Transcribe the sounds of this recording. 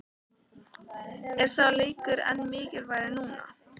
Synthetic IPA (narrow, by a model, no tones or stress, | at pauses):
ɛɾ̥θaleːjkʏɾɛ̰nːmɪːcɪɾvaːjɾɪnuːna̰